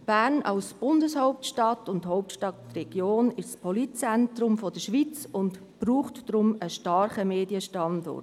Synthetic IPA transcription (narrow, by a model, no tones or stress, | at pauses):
b̥æːɾnʔɑ̰ʊsb̥ʊndəshɔʊp̚tʃtɑtʊnthɔʊp̚tʃtɑtrɛɡ̥joːnɪʃspʰɔlit̚t͡sɛntɾʊmfɔd̥əʃʋit͡sʊnt | b̥ruːχtːɾʊməʃtɑɾχəmeːdiəʃtɑndɔ̰rt